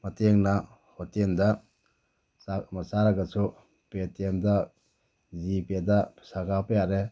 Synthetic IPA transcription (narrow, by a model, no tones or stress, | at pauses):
mɐteŋna | hɔtendɐ | samɐsaɾɐɡɐsu | petʰemdɐ | zipedɐsaɡapɐjaɾe